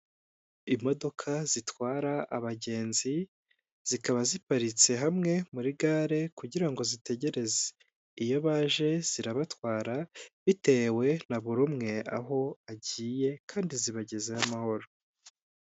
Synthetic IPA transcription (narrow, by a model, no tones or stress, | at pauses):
imo̞do̞kʰaz̥itwaːɾaːβaɟe̞ːnzi | z̥ikaβazipaɾit͡se̞ɦamŋe̞muɾiɡaːɾe̞kuɟiɾaŋɡo̞zite̞ɟe̞ɾe̞ze̥ | ijo̞βaːʒe̞z̥iɾaβatwaːɾaβite̞ːwe̞naβuɾumŋe̞a̰ɦo̞aɟiːje̞kʰaːndiziβaɟe̞ze̞amaho̞ɾo̞